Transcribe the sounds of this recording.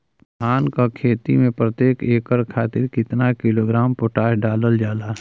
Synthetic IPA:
d̪ʱʰaːnkakʰeːt̪imẽpɾət̪jeːkeːkəɾkʰaːt̪ɪɾkɪt̪nakɪloːɡɾaːmpʊʈaːɦɖaːləld͡ʒaːlaː

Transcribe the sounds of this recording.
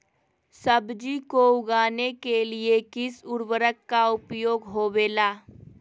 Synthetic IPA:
səbd͡ʒikoʊɡaːnekeliekɪsʊɾwəɾəkːaʊpjoːɡɦoːweːlaː

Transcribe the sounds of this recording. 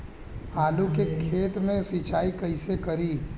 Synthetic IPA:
aːlukekʰeːt̪mẽsit͡ʃaːikɐɪsekɐɾiː

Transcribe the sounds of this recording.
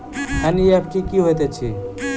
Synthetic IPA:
ɛniepʰʈikiɦojt̪et͡ɕʰi

